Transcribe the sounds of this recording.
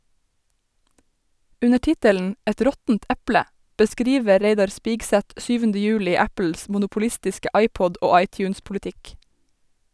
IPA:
ˈʉnə ˈtɪtəln̩ ˈɛt ˈɾɔtn̩t ˈʔæplə bəˈskɾiːʋə ˈɾeɪdɑɹ ˈspiːɡsæt ˈsyːʋəndə ˈjʉːlɪ ˈæpəls mʊnʊpʊˈlɪstɪskə ˈʔɑɪpɔd ˈʔoː ˈɑɪcjʉːnspʊlɪˌtɪk

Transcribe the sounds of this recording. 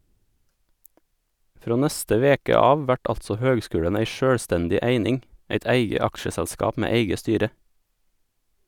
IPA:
ˈfɾoː ˈnɛstə ˈʋeːkə ˈɑːʋ ˈʋæʈ ˈɑltsɔ ˈhøːɡˌskʉːɽən ˈæɪ ˈʃøːɽˌstɛndɪ ˈæɪnɪŋ ˈæɪt ˈæɪɡə ˈɑkʃəsɛʎˌskɑːp ˈmeː ˈæɪɡə ˈstyːɾə

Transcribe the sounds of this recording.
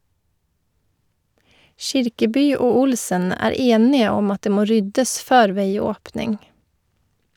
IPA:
ˈʃɪɾkəˌbyː ˈoː ˈʊlsən ˈæːɾ ˈeːnɪə ˈɔm ˈɑt ˈdeː ˈmoː ˈɾʏdəs ˈføːɾ ˈʋeɪˌoːpnɪŋ

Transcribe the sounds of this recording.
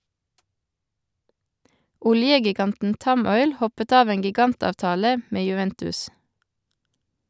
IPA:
ˈʊljəɡɪˌɡɑntn̩ ˈtɑˌmɔʏl ˈhɔpət ˈɑːʋ ˈeːŋ ɡɪˈɡɑntɑːʋˌtɑːlə ˈmeː jʉˈʋɛntʉs

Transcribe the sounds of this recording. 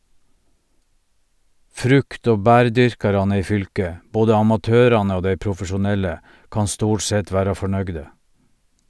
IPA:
ˈfɾʉkt ˈoː ˈbæːɾˌdʏɾkɑɾɑnə ˈiː ˈfʏlkə ˈboːdə ɑmɑˈtøːɾɑnə ˈoː ˈdæɪ pɾʊfəʃʊˈnɛlə ˈkɑː ˈstuːʈ ˈsɛt ˈʋæːɾɑ fɔˈɳœɡdə

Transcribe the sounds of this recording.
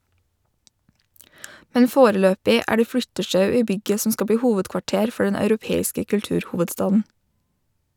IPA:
ˈmɛn ˈfoːɾəˌløːpɪ ˈʔæː ˈɖeː ˈflʏtəʃɑʉ ˈiː ˈbʏɡə ˈsɔm ˈskɑ ˈbɽiː ˈhuːʋədkʋɑˌʈeːɾ ˈfɔ ˈɖɛn ɑʉɾʊˈpeːɪskə kʉlˈtʉːɾˌhuːʋədˌstɑːdn̩

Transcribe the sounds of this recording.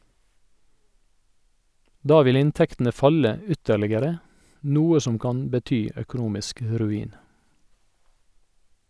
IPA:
ˈdɑː ˈʋɪl ˈɪnˌtɛktn̩ə ˈfɑlə ə ˈʏtəɭɪɡəɾə ˈnuːə ˈsɔm ˈkɑn bəˈtyː œkʊˈnuːmɪsk ə ɾʉˈiːn

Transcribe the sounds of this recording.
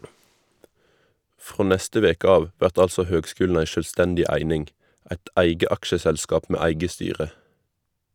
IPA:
ˈfʁoː ˈnɛstə ˈʋeːkə ˈɑːʋ ˈʋæʁt ˈɑlsɔ ˈhøːɡˌskʉːln̩ ˈæɪ ˈʃøːlˌstɛndɪ ˈæɪnɪŋɡ ˈæɪt ˈæɪɡə ˈɑkʃəsɛlˌskɑːp ˈmeː ˈæɪɡə ˈstyːʁə

